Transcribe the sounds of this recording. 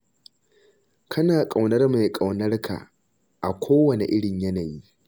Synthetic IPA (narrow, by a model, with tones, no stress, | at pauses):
kʰɐ˦naː˨kʼa˨wnɐ˦rma˨jkʼa˨wnɐ˦rkʰa̰˨ | ʔa˨kʷʰoː˦wɐ˨ne˨ʔɪ˦ɽɪ˨ɲjɐ˦naː˨jiː˦